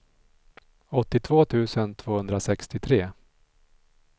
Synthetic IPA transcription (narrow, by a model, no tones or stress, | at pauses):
ɔt̪ːɪt̪ʰvoːt̪ʰʉ̟ːsənt̪ʰv̥oːhɵnd̪ɾasɛkst̪ɪt̪ʰɾeː